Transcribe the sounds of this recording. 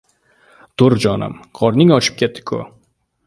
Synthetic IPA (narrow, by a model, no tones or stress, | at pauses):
t̪ʊɾd͡ʒɒna̰mqʰɒɾnɪŋɒt͡ʃʰɪ̥p̚kʲʰet̪ʰːɪ̥kʰʊ̰